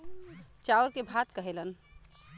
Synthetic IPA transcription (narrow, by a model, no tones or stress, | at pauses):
t͡ʃauɾkebʱat̪kəɦelən